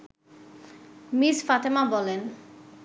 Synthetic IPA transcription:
misfat̪emabɔlen

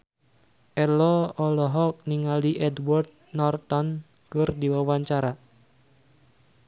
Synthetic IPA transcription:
ʔɛlɔɔlɔɦɔk̚niŋaliʔɛdwɔrd̪̚nɔrt̪ɔn | kɨrdiwawaɲt͡ʃaɾa

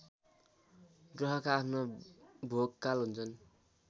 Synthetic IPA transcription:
ɡrʌɦʌkaːpʰnobʱoɡkalɦunt͡sʰʌn

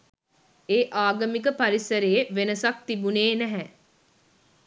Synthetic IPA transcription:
eːʔaːɡəmikəpaɾisəɾejeʋenəsak̚t̪ibuneːnɛɦɛ

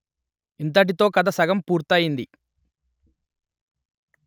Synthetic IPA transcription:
int̪̬ɐʈ̬it̪o̞ːkɐd̪ɐsɐɡɐmpuːɾt̪aːjind̪i

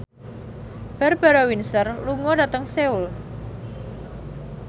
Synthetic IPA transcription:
b̥a̤rb̥a̤ɾawinsərluŋɔdat̪əŋseul

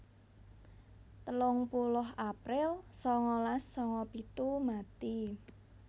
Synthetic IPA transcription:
t̪əlʊŋpulʊɦapɾɪlsɔŋɔlasːɔŋɔpit̪umat̪i

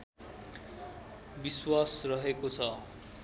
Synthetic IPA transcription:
biswasrʌɦekot͡sʰʌ

